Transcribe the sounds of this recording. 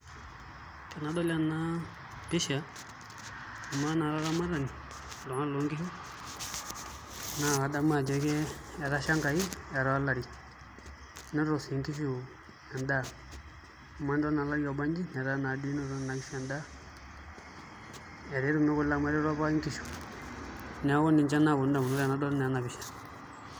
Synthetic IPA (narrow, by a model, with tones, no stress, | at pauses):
kɛ˨na˨dɔ˦la˦na˦ | bɪ˦ʃa˨ | a˨ma˦na˨ɾa˦ɾa˦ma˦ɾa˨ni˨ | dɔ˨ŋa˦lo˨˦ŋɡɪ˦ʃu˦ | na˨wa˨da˦ma˨d͡ʒɛ˨˦kɛ˦ja˨ɾa˦ʃa˦ŋka˨i˦a˨ɾɔ˦a˦la˨ɾi˨ | nɛ˦ɾɔ˨si˨ŋki˦ʃ̬u˨ | a˨nda˦˨ | ma˦n˦dɔ˦na˨la˦ɾi˦jɔ˨ba˦ɲd͡ʒi˦nɛ˨ɾa˦na˨du˦i˦nɛ˦ɾɔ˦na˨ki˦ʃu˦a˨nda˦ | ɛ˨ɾe˦ɾu˦˨mɛ˦ku˦la˦ma˦ɾɛ˦ɾa˦pa˦i˦ŋki˦ʃu̥˨ | nɛ˨˦wɔ˦ni˨ɲt͡ʃa˦na˨bu˨n˦da˨bu˨nu˦ɾa˨na˨˦dɔ˦nɛ˨a˨na˨βi˨ʃɛ̥˨